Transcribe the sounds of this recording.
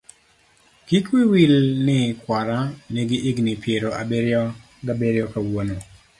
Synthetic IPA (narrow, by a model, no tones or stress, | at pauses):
kikwiwilnɪkwaɾaneɡɪʔiɡnɪpʰjeɾoʔabeɾjɔ | ɡabeɾjɔkawono